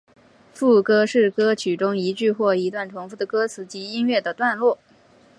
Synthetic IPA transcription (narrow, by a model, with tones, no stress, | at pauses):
fu˥˩kɤ˥ʂɻ̩˥˩kɤ˥t͡ɕʰy˨˩ʈ͡ʂʊ˥ŋi˧˥t͡ɕy˥˧xwɔ˥˩i˧˥t̪wa˥˩nʈ͡ʂʰʊ˧˥ŋfu˥˩d̪ə˩kɤ˥t͡sʰɹ̩˧˥t͡ɕi˧˥i˥nɥɛ˥˩d̪ə˩t̪wa˥˧nlwɔ˥˩